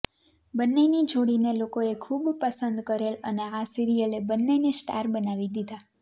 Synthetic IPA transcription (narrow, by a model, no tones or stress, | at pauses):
bənːenid͡ʒʱoɽinelokoekʰubpəsənd̪kəɾeləneasiɾijəlebənːenesʈa̰ɾbənaʋid̪id̪a